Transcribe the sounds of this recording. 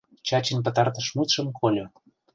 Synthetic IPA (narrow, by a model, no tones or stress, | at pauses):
t͡ɕɑt͡ɕinʲpə̆t̪ɑrt̪ə̆ʃmut̪ʃə̆mkʰolʲo